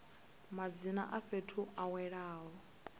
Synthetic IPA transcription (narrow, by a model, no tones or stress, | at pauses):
mad͡zina̰ʔaɸetʰuʔawɛɺaːɦɔ